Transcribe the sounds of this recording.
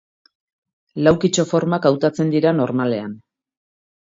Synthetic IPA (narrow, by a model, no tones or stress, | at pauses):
lawkit͡ʃo̞fo̞ɾmakawt̪at͡se̞nd̪iɾano̞ɾmale̞an